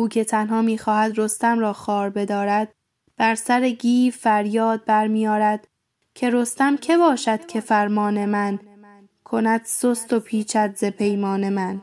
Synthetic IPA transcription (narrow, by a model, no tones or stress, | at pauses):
uːcʰe̞t̪ʰænɦɒːmiːxɒːhæd̪ɾo̞st̪æmɾɒːxɒːɾbe̞d̪ɒːɾæd̪̥̚ | b̥æɾsæɾeɡiːfæɾjɒːd̪̚bæɾmiːjɒːɾæd̪̥ | cʰe̞ɾo̞st̪æmcʰe̞bɒːʃæd̪̥cʰe̞fæɾmɒːne̞mæn | kʰo̞næd̪̥sost̪o̞pʰiːt͡ʃʰæd̪ze̞pʰe̞jmɒːne̞mæn